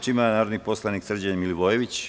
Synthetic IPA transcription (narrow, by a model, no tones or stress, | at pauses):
t͡ʃimanaːɾod̪nipo̞slˠaniksr̩d͡ʑenmiliʋojeʋit͡ɕ